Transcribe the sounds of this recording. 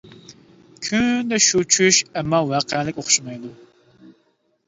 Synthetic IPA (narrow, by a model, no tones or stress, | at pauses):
kʲʰynd̪ɛʃut͡ʃʰyʃɛmːɑwɑːqʰɛlɪkʲoχʃumɑjd̪u